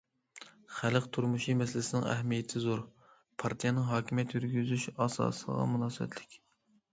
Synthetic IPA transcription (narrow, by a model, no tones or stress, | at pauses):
χælqt̪ʰuɾmuʃimɛsɪlɪsɪnɪ̰ŋɛ̰ɦmijet̪ʰɪzoɾ | pʰɑɾt̪ʰijɛnɨŋɦɑːkʲimijɛt̪ʰjyɾɡʲyzyʃɑːsɑ̰ːsə̰ʁɑ̰munɑːsɨbɛ̰t̪ʰlɪkʲ